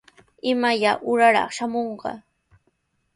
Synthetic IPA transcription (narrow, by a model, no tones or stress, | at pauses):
ɪmajaʔʊɾaɾɑ̰χʃamoɴɢɑ̰